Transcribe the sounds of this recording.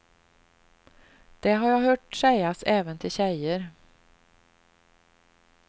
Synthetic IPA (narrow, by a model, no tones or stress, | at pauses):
d̪̥ɛɦaɾjɑːɦœːʈsɛjasɛːvənt̪ʰɪlɕɛjəɾ